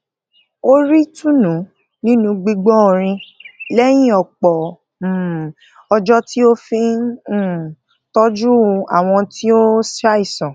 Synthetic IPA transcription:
o˦ɾi˦tũ˦nũ˨˦ | nĩ˦nũ˧ɡ͡bi˧ɡ͡bɔ̃˦˨ɾ̃ĩ˧lɛ˦j̃ĩ˦ɔ˨k͡pɔ˨ | ɔ˧d͡ʒɔ˦ti˦o˦fĩ˦˨ | tɔ˦d͡ʒu˦˧a̰˨w̃ɔ̃˧tʰi˦o˦sa˦i˨sɔ̃˨

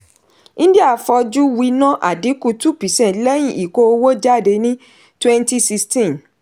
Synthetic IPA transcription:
nĩ˦di˦a˦˨fɔ˧d͡ʒu˦wi˧nã˦ʔa̰˨di˨˦ku˧tu˦pi˨sɛ̃˦˨lɛ˦j̃ĩ˦˨ʔi˨ko˧o˧wo˦d͡ʒa˦˨de˧nĩ˦ | twɛ̃˦nti˦si˧stĩ˦˨n

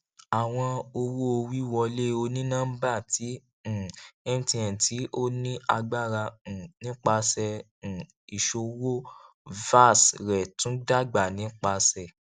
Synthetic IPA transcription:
a˨w̃ɔ̃˧o˧wo˦o˧wi˦wɔ˧le˦o˧nĩ˦nãː˦m̩˦ba˦˨tʰĩ˨˦˨ | ɛ˦m˦tĩ˧ɛ̃˨ti˨˦ʔo˦nĩ˦a̰˧ɡ͡ba˦˨ɾã˧˨nĩ˨˦k͡pa˧sɛ̃˧˨ | i˨ʃo˧wo˦ | va˦˨sɾɛ˨tũ˨˦da˦˨ɡ͡ba˨nĩ˨˦k͡pa˧sɛ˨

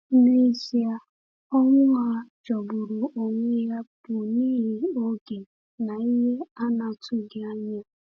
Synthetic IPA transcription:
ne˦i˦si˦a˦ | ɔ˦ŋʷʊ˦ŋa˦ | d͡ʒɔ˨bʊ˨ɾʊ˨o˨ŋʷe˦ja˦bu˨niː˦ɦi˦o˦ɡe˨ | na˨i˦ɦe˦a˦na˨tʰʊ˦ɡɪ˨a˦ɲa˦

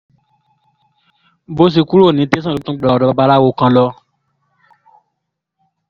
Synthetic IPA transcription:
bo˦s̬i˧ku˦ɾo˦˨nĩ˨˦te˦s̬ã˦˨õ˨˦tũ˦ɡ͡bdɔ˧ba˧ba˧la˦wo˨˧˨kã˧lɔ˧˦

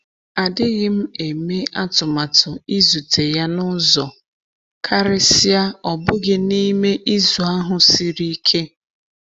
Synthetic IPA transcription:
a˨dɪ˦ɣɪ˦m̩˦e˨me˦a˦tʊ˨ma˨tʰʊ˨i˦zu˨tʰe˨ja˦nʊ˦zɔ˨ | kʰa˦ɾe˦si˦a˦ɔ˨bʊ˦ɣɪ˦ni˦me˦ʔi˦zu˨a˦ɦʊ˨si˦ɾi˦kʰe˦

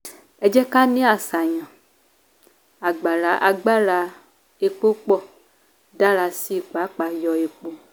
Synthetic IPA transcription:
ɛ˨˦d͡ʒɛ˦ka˦nẽ˦a˨sa˨ɲã˨ | a˨ɡ͡ba˨la˨˦ʔa˨ɡ͡ba˦la˨˦ | e˨k͡po˦k͡pɔ˦ | da˦la˨si˦˨k͡pa˨˦k͡pa˨jɔ˨e˨k͡po˦

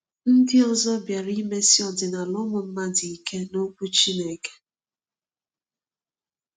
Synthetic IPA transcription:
n̩˦dɪ˦ɔ˨zɔ˦bja˨ɾi˦me˦sɪ˦ɔ˨dɪ˨na˨lɔ˦mʊ˨m̩˦ma˦di˨i˨ke˦no˦kʷu˦t͡ʃi˦ne˨ke̥˦

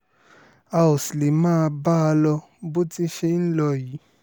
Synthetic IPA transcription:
a˧o˨sle˨mãː˦˧ba˦˧lɔ˧ | bo˦ti˦ʃe˦n̩˦lɔ˧ji˨˦

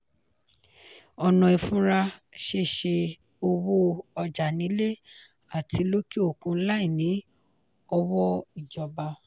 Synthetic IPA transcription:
ɔ˧nɔ̃˧˨i˨fũ˦ɾa˧ʃe˦˨ʃe˧ | o˧wo˦ɔ˧d͡ʒa˨nĩ˨˦le˦ | a˦˨ti˨˦lo˦ki˦o˦˨kũ˧˦la˦i˦˨nĩ˨˦ | ɔ˧wɔ˦i˦˨d͡ʒɔ˨ba˧

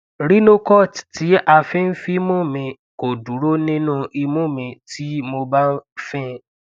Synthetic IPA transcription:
ɾi˦nõ˦kɔ˦˨tti˨˦a˧fĩ˦n̩˦fi˦mõ˦˨mĩ˧ | ko˨du˨˦ɾo˦nĩ˦nũ˦˧i˧mõ˦˨mĩ˧ti˨˦mo˧ba˦n̩˦fĩ˦

